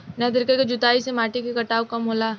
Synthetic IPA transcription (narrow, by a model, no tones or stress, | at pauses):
nɐd̪ɪɾkeked͡ʒʊt̪aːisemaːʈikekɐʈaːwkɐmɦoːlaː